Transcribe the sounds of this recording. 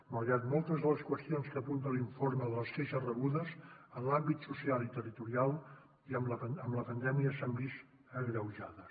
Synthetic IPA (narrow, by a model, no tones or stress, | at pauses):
məɾat̪mɔlˠt̪əzðələskwəst̪ionskəpunt̪əliɱfoɾməðələskeʃərəɣ̞uðəzəlambit̪susialit̪ərit̪uɾialˠ | iəmləəəmləpənd̪ɛmiəsambist̪ | əɣɾəwʒaðə